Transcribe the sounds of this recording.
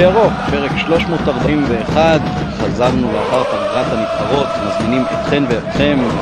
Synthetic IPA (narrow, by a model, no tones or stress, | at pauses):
aʁo̞χpe̞ʁekʃlo̞ʃmo̞ːtaʁbaʔimveːχad | χazaʁnuleaχaʁtaɡʁathamifχaʁo̞t̪mazminimḛtχenveetχe̞m